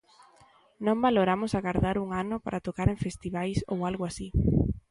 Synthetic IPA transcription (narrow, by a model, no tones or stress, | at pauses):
nõmbaloɾamʊsaɣaɾðaɾuŋanʊpaɾʔat̪okaɾeɱfest̪iβajso̰walɣʊasi